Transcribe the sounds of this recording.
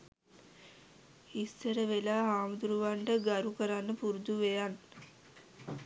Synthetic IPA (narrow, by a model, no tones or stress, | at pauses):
isːəɾəʋelaːɦaːməd̪uɾuʋaɳʈəɡaɾukəɾanːəpuɾud̪uʋejanː